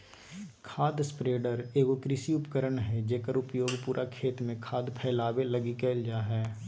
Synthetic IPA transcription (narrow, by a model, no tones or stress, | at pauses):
kʰaːd̪spɾeːɖəɾeːʋoːkɾɪsiʊpəkəɾəɳɦɛd͡ʒeːkəɾʊpjoːɡpuːɾʔakʰeːt̪mẽkʰaːd̪pʰɛːlaːʋelɐɡikeːld͡ʒaːɦɛː